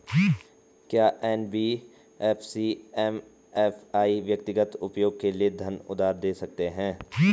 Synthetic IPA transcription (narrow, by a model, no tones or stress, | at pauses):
kjaːʔɛːnbiː | ɛːfʰsiːɛːm | ɛfaːiʋjək̚t̪ɪɡət̪ʊpjoːɡ̚kelijed̪ʱɐnʊ̰d̪aːɾd̪eːsɐk̚t̪eɦɛ̃ː